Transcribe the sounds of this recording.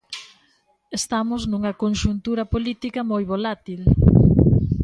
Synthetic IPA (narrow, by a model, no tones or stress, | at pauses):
est̪amʊznuŋɐkonʃunt̪uɾɐpolit̪ikɐmojβolat̪il